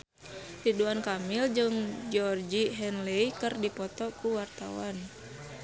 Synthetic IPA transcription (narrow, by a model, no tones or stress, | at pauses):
riduankamild͡ʒɨŋd͡ʒɔrd͡ʒiɦɛnleikɨrdipɔt̪ɔkuwart̪a̰wan